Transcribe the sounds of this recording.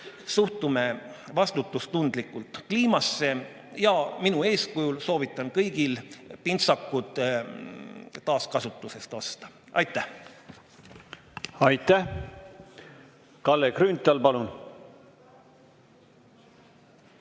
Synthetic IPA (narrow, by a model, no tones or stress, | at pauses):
suht̪ume̞vɑst̪ut̪ːˑust̪und̪̥likːˑult̪ˑkliːmɑsːe̞ | jɑminue̞ːskujulso̞ːvit̪ːˑɑnkɤjɡ̥ilpint̪sɑkːˑud̪̥ | t̪ɑːskɑsut̪ːˑuse̞st̪o̞st̪ɑ̥ | ʔɑ̰jt̪ːˑæh | ɑjt̪ːæh | kɑlːekɾynt̪ːˑɑlpɑlun